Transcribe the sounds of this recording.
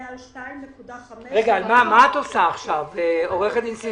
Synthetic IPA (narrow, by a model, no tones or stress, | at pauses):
ʁeɡaːlmamaːt̪osaːχʃaveo̞ʁe̞χet̪insi